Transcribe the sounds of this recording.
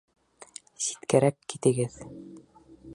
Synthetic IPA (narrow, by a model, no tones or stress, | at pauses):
si̥t̪kæɾækːit̪ɘ̆ɡɘð